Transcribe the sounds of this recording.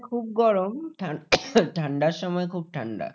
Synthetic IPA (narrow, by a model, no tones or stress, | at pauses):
kʰub̚ɡɔɾomʈʰaʈʰaɳɖaɾʃɔmɔekʰub̚ʈʰaɳɖa̰